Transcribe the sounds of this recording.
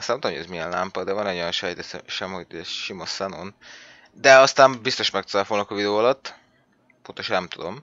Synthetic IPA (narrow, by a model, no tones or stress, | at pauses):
st̪nmt̪mojozmiɛnla̰mpɒd̪ɛvɒnɛjojɒnʃɛjt̪ɛsɛ̰ʃɛmhotɛʃimosɛnon | d̪ɛɒst̪aːmbist̪o̞ʃmɛkt̪ozaːfolnɒkovid̪ɛoːɒlɒt̪ː | po̞nt̪oʃɒnɛmt̪ud̪o̞m